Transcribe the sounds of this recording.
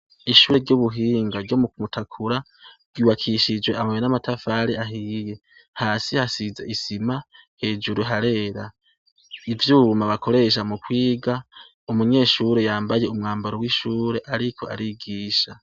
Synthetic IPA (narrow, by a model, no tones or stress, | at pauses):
iʃuːɾe̞ɾɟuβuɦiːŋɡaɾɟomukmutʰakʰuɾa | ɾɡuːwakʰiʃid͡ʒwe̞amajenamatafaɾiaɦiːje̞ | haːsihasizḛʔisimahe̞ːd͡ʒuɾuɦaɾe̞ːɾa | ivjuːmaβakʰo̞ɾe̞ʃ̬amukwiːɡa | umuɲe̞ːʃuɾe̞jaːmbajeumŋaːmbaɾowiʃuːɾe̞ʔaɾikʰo̞a̰ɾiɡiːʃa